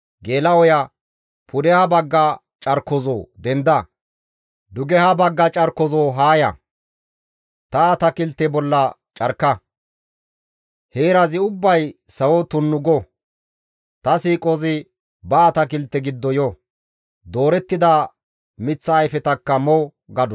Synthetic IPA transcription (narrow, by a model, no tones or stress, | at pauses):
ɡeːlɐwɔjɐ | pʰʊd̪ɛhɐbɐɡːɐ | t͡ʃʼɐɾkːɔzo̰ːd̪ɛnd̪ɐ | d̪ʊɡɛhɐbɐɡːɐt͡ʃʼɐɾkːɔzoːɦaːjɐ̰ | t̪ɐːt̪ɐkɪlt̪ːɛbɔlːɐ | t͡ʃʼɐɾkːɐ | heːɾɐzɪʊbːɐjsɐwɔt̪ʊnːʊɡɔ | t̪ɐsiːkʼozɪ | bɐːt̪ɐkɪlt̪ːɛɡɪd̪ːɔjɔ | d̪o̞ːɾɛt̪ːɪd̪a | mɪt͡sːɐːjfɛt̪ɐkːɐmɔw | ɡɐd̪ɔ